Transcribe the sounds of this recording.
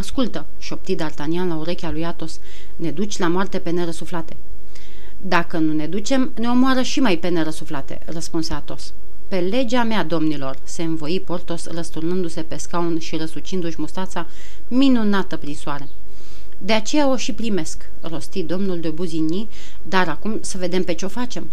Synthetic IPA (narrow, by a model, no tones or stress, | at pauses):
askult̪ə | ʃo̞p̚t̪id̪art̪anianlauɾe̞kʲalujat̪o̞s | ne̞d̪ut͡ʃʲlamoart̪e̞pe̞ne̞ɾəsuflat̪e̞ | d̪akənune̞d̪ut͡ʃe̞mne̞o̞moaɾəʃimajpe̞ne̞ɾəsuflat̪e̞̰rəspunsat̪o̞s | pe̞le̞d͡ʒamead̪o̞mnilo̞rse̞ɨnvo̞jipo̞rt̪o̞srəst̪urnɨnd̪use̞pe̞skaunʃiɾəsut͡ʃind̪uʃʲmust̪at̪sa | minunat̪əpɾinsuaɾe̞ | d̪e̞at͡ʃe̞jao̞ʃipɾime̞sk | ro̞st̪id̪o̞mnuld̪obuzinʲi | d̪aɾakumsəve̞d̪e̞mpe̞t͡ʃeo̞fat͡ʃe̞m